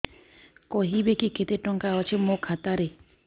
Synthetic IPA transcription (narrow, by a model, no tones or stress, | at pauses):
kɔɦibekiket̪eʈɔŋkaɦɔt͡ʃʰimokʰat̪aɾe